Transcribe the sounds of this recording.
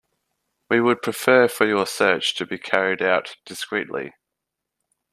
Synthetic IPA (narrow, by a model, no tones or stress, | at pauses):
wiwəd̚pʰɹ̥ɪfɜːfəjəsɜˑt͡ʃtʰəbikʰæɹiɪɾaʊtd̥ɪskɹḭˑʔlḭ